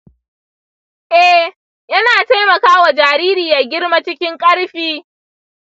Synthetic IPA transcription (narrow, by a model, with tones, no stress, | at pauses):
ʔɛ˦h | jɐ˦naː˨ta˦jmɐ˨kaː˦wa˨d͡ʒaː˨ɾiː˦ɾiː˨ja˨ɡʲɪ˦ɽma˦t͡ʃɪ˦kʲɪ˦ŋkʼɐ˦ɽɸiː˨˦